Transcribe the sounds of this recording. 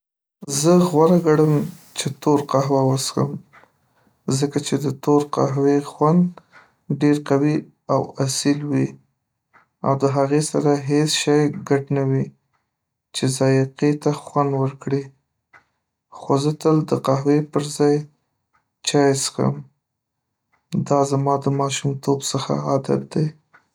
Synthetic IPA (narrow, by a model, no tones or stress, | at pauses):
zəɣwaɾaɡaɽəmt͡ʃet̪oɾqaɦwawəsxə̰m | zəkat͡ʃed̪ət̪oɾqa̰ɦwexwand̪ | ɖeɾqawi | awasilwi | a̰wd̪əɦaɣesaɾaɦesʃɑjɡaʈnawi | t͡ʃezɑjqit̪axwand̪wəɾkɽi | xozət̪əld̪əqaɦwepəɾzɑj | t͡ʃɑjsxə̰m | d̪ɑzamɑd̪əmɑʃumt̪obsəxa̰ad̪a̰t̪̚d̪aj